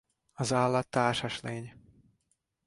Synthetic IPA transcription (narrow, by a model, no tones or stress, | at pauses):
ɒzaːlːɒt̪ːaːrʃɒʃleːɲ